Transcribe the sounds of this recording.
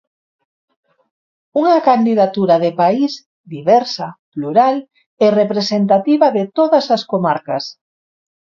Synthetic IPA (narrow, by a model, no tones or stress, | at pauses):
uŋɐkand̪iðat̪uɾaðepais | d̪iβɛɾsapluɾal | erepɾesent̪at̪iβɐðet̪oðɐsɐskomaɾkɐs